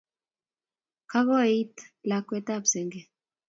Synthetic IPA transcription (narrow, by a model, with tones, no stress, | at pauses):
ka˦ɣɔ˦i˦t̪la˨kwɛ˦t̪a˦psɛ˨ŋɡɛ˨